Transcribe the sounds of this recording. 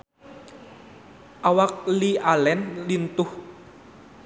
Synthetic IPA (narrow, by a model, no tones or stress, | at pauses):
ʔawak̚lialɛnlint̪ʊh